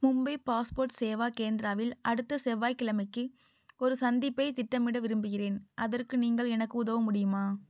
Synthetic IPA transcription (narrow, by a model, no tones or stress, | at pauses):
mʊmbɐɪpaːspoːɾʈseːʋaːkeːnd̪ɪɾaːʋɪlʔɐɽɯt̪ːɐsɛʋːaːjkɪlɐmɐɪkːɯ | ɔɾɯsɐnd̪ɪpːɐɪt̪ɪʈːɐmɪɽɐʋɪɾɯmbɯɣɪreːnʔɐðɐrkɯniːŋɡɐɭɛnɐkːɯʊðɐʋɐmʊɽɪjɯmaː